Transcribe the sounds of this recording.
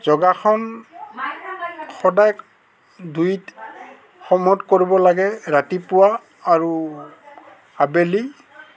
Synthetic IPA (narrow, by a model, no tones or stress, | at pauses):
zɔɡakʰɔn | xɔdajk | dʱujt | xɔmɔtkoɹibɔlaɡɛɹatipʊwaː | ɹu | abeli